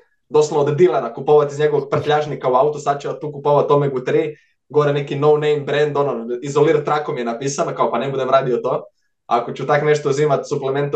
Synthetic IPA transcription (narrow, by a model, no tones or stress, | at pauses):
d̪osalnod̪d̪ilenakupoʋat̪izɲeɡoʋoɡ̚pr̩t̪ʎaʒnikauaut̪osad̪̚t͡ɕeʋat̪ːuːkupoʋat̪omeɡut̪ɾiː | ɡooɾenekinownejmbɾend̪ononizoliɾat̪ːɾakomjenapiːsanokaopanebud̪emɾaːd̪ijot̪o̞ː | a̰akot͡ɕut̪akneʃt̪oziːmat̪suplement̪